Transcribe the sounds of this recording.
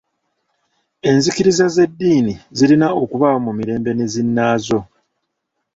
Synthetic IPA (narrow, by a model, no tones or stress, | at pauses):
e̞nzikiɾizaze̞dːiːnizilinao̞kuβamumiɾe̞ːmbe̞nezinːaːzo̞